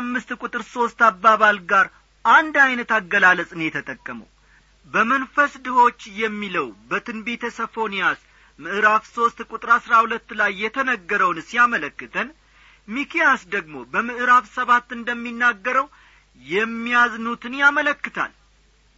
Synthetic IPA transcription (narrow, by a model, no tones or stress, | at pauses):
amːɨst̪kʼut̪ʼɨɾso̞st̪abːaβalɡaɾ | ʔand̪ajnət̪aɡːəlaləsʼɨnjɛt̪ʰət̪ʼəkʼːəmə̰w | bəmənfəsd̪ɨho̞t͡ʃːjɛmːiləwbət̪ʰɨnbet̪ʰəsəfo̞nijas | mɨʔɨɾafso̞st̪kʷʼut̪ʼɨɾasɾahulət̪ːlajːɛt̪ʰənəɡːəɾəwnsijamələkːɨt̪ʰən | mikʰijasd̪əɡmo̞bəmɨʔɨɾafsəβat̪ːɨnd̪əmːinːaɡːəɾəw | jɛmːijaznut̪ʰɨnjamələkːɨt̪ʰa̰l